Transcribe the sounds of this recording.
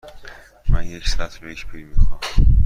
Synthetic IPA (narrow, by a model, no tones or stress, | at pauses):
mænjecʰsæt̪ʰbeeʃpʰiɾmixɒm